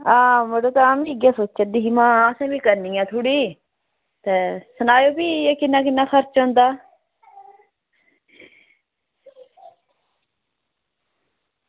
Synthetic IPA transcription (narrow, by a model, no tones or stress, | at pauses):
ãːmoɖoːt̪aːmiːɡjaːsoːt͡ʃːt͡ʃəd̪iːɦiːmãːəsẽːbiːkəɾnĩːãːt̪ʰʊːɽiː | t̪eːsənaːjoːbiːeːkɪnːaːkɪnːaːkʰəɾt͡ʃõːnd̪aː